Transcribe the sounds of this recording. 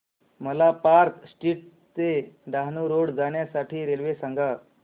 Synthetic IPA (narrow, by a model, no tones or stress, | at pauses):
məlapaɾt̪sʈiːʈ̚ | t͡seɖaɦnuɾoɽd͡zaɳjasaʈʰiːɾelʋesaŋɡa